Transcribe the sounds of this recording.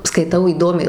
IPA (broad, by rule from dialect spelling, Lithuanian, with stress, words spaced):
skɐɪˈtɐʊ iːˈdoːmʲɛɪ